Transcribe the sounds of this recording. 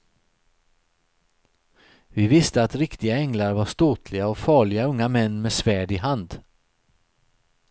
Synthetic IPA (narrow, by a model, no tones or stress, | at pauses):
vɪvɪst̪əat̪ɾɪkt̪ɪɡaɛŋlaɾvaʂt̪oːt̪ʰlɪɡaɔfɑːɭɪɡaɵŋːamɛnːmeːsvæːɖɪɦand̪